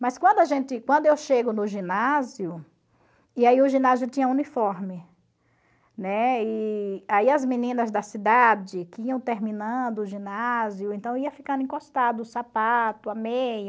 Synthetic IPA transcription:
mɐskwɐ̃nd̪ʊaʒẽt̪ɪkwɐ̃nd̪ʊewʃeɡʊnʊʒĩnazjʊ | ɪaiʊʒĩnaziʊt͡ʃĩɲɐũnifɔɾmɪ | nɛɪaiɐzmĩnĩnɐzd̪ɐsid̪ad͡ʒɪkɪiɐ̃w̃t̪eɾmĩnɐ̃d̪ʊʊʒĩnaziʊẽnt̪ɐ̃w̃eiɐfikɐ̃nd̪ʊẽkost̪ad̪ʊsapat̪ʊamejɐ

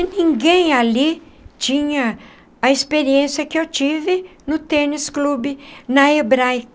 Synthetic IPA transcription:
nĩŋɡẽj̃alit͡ʃĩɲɐ | ɐispeɾiẽsiɐkɪewt͡ʃivɪnʊt̪eɾnisklubɪnɐebɾajk

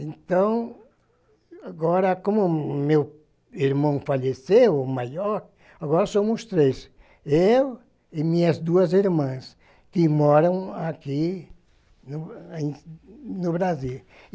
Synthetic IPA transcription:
ẽnt̪ɐ̃w̃ | aɡɔɾɐkõmʊmew | iɾmɐ̃w̃faʎesewmajɔɾk | aɣɔɾɐsõmʊst̪ɾes | ew | imĩɲɐzd̪uɐziɾmɐ̃s | kɪmɔɾɐ̃w̃aki | nʊẽnʊβɾaziw

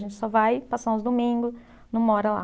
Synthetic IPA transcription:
ʒẽnt͡ʃɪ̥sɔvajpasɐ̃ʊzd̪omĩŋɡʊs | nũmɔɾɐla̰

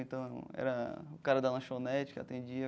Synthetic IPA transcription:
ẽt̪ɐ̃w̃ɛ̰ɾɐʊkaɾɐd̪ɐlɐ̃ʃonɛt͡ʃɪ̥kɪa̰t̪ẽd͡ʒiɐ

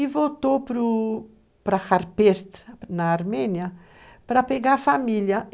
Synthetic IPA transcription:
ivot̪opɾu | pɾaxaɾpɛɾt̪nɐːɾmɛnjɐ | pɾɐpeɡafamiljɐ

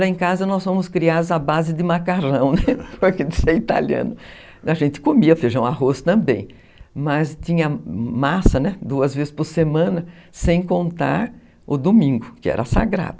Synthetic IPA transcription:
ɾɐẽj̃kazɐnɔsfõmʊskɾiad̪ʊzabazɪd̪ɪmakaɾɐ̃w̃nɛpɾɐʒẽnt̪ɪ̥seit̪a̰ljɐ̰̃nʊ | aʒẽnt̪ɪ̥komiɐfeʒɐ̃w̃aɦost̪ɐ̃mbḛ̃j̃ | mɐst̪ĩɲɐmasɐnɛd̪uɐzvezɪspʊɾsemɐ̃nɐsẽj̃kõnt̪a̰ɾ | ʊd̪omĩŋɡʊkɪɛ̰ɾɐsa̰ɡɾa̰d̪ʊ

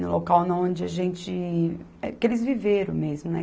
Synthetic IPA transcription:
nʊ̰lokawnɐ̃õd͡ʒɪɐʒẽnt͡ʃɪ | ɛkɪelɪzviveɾɐ̃w̃mezmʊnɛ̰

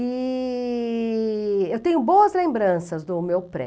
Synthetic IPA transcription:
i | ewt̪ẽɲʊbowɐzlẽmbɾɐ̃sɐzd̪ʊmewpɾɛ̰

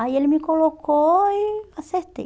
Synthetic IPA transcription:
ajelmikolokʰoiaseht̪ḛ

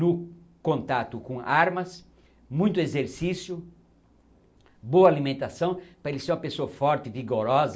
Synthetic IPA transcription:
nʊ | kõnt̪at̪ʊkõaɾmɐs | mũj̃t̪ʊezeɾsisjʊ | boɐalimẽnt̪asɐ̃w̃pɾɐelɪseɾũmɐpesoɐfɔɾt̪ɪviɡoɾɔzɐ

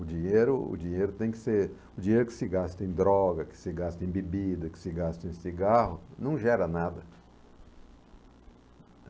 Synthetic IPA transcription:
ʊd͡ʒĩɲeɾʊʊ̰d͡ʒĩɲejɾʊt̪ẽj̃kɪ̥seɾ | ʊd͡ʒĩɲejɾʊkɪ̥sɪɡast̪ẽj̃d̪ɾɔɡɐkɪ̥sɪɡast̪ẽj̃bebid̪ɐkɪ̥sɪɡast̪ẽj̃siɡaɦʊnɐ̃w̃ʒɛɾɐnad̪ɐ

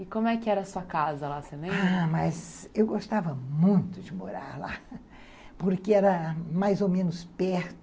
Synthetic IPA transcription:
ɪkõmʊɛkɪɛɾɐːsuɐkazɐlaselẽmaɾmɐzewɡost̪avɐmũj̃t̪ʊd͡ʒɪmo̰ɾaɾla | poɾkɪɛɾɐmajzomẽnʊspɛɾt̪ʊ

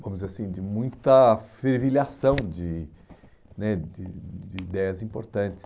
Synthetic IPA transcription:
vɐ̃mʊzasĩd͡ʒɪmũj̃t̪ɐfeɾviliasɐ̃w̃d͡ʒɪ | nɛd͡ʒɪd͡ʒɪːd̪ɛjɐzĩpoɾt̪ɐ̃t͡ʃɪ̥s

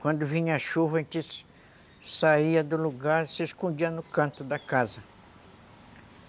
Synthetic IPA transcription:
kwɐ̃nd̪ʊvĩɲɐːʃuvɐẽt͡ʃ̪ɪ | saiɐd̪ʊluɡaɾsɪeskõnd͡ʒiɐnʊkɐ̃nt̪ʊd̪ɐkazɐ

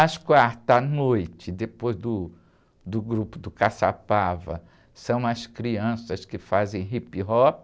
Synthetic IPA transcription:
ɐskwaɾt̪ɐnojt͡ʃɪd̪epojzd̪ʊ | d̪ʊɡɾupʊd̪ʊkasapavɐ̰ | sɐ̃w̃ɐskɾiɐ̃sɐskɪfazẽj̃ɦipiɦɔp

